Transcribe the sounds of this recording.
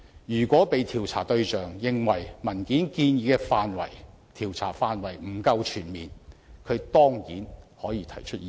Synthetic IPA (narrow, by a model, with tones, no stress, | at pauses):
jyː˨˩kʷɔː˨˥pe˨˧jt̪ʰiː˨˩wt͡sʰa̰ː˨˩t̪ɵ˧ɥt͡ʃœː˨ŋjɪ˨˧ŋwɐ˨˩jmɐ˨˩nkiː˨˥nkiː˧njiː˨˧kɛ˧faː˧nwɐ̰˨˩j | t̪ʰiː˨˩wt͡sʰa̰ː˨˩faː˧nwɐ˨˩jm̩˨˩kɐ˧wt͡ʃʰyː˨˩nmiː˨nkʰɵ˨˧t̪ɔː˥ŋkiː˨˥nhɔː˨˥jiː˨˧t̪ʰɐ˨˩jt͡ʃʰɵ˥t̚i˨